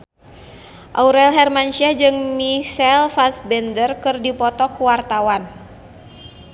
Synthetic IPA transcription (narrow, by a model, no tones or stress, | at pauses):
ʔauɾɛlɦɛrmant͡ʃiad͡ʒɨŋmiʃɛlfasbɛndərkɨrdipɔt̪ɔkuwart̪awan